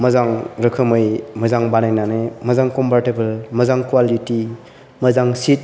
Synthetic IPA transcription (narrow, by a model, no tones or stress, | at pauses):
mɐzaŋɾɯkʰɯmɯjmɐzaŋbanajnanemɐzaŋkɔmpʰaɾtebɐlmɐzaŋkwaliti | mɐzaŋsit̚